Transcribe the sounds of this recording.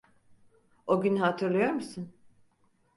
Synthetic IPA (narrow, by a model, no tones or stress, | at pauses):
oɟʲynɦat̪ʰɯɾlˠajo̞ɾmɯsɯn